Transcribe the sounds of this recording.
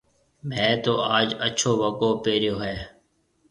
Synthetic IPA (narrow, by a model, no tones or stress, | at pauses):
mɛ̃ːt̪oːaːd͡ʒət͡ʃʰoːʋəkoːpeːɾɪjoːɦɛː